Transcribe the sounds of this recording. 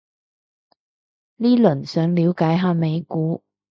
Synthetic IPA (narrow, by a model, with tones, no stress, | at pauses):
liː˥lɵ˨˩nsœː˨˥ŋliː˨˧˥wkaː˨˥jɦaː˨˧me˨˧jkuː˨˥